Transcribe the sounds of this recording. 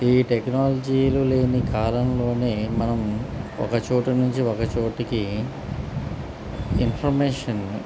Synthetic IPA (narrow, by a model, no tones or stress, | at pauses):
iːʈeknaːlɐd͡ʒiːluleːnikʰaːlɐmlo̞ːneːmɐnɐmɔ̰kɐt͡ʃoːʈɐnuɲt͡ʃiɔkɐt͡ʃoːʈiki | inpʰɐɾmeːʂɐn